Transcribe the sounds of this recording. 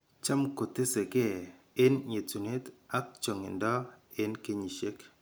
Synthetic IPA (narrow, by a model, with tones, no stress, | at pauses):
t͡ʃa˦mko˨te˦se˨ke˦ | ɪ˦nɲe˨tu˨ne˦ta˦k̚t͡ʃo˨ŋe˨ndɔ˦ | e˦nke˦ɲi˨ʃe˦k